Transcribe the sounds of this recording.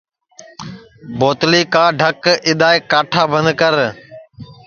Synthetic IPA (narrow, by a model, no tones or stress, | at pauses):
boːt̪liːkãːɖʱəkɪɗ̪aːekaːʈʰaːbə̃nd̪kəɾ